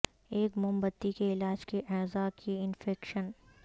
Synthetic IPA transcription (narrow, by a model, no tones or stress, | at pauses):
eːkmʊmbət̪ːikeɪlaːd͡ʒkeʔɛːzakʰiɪnfɛːkʃən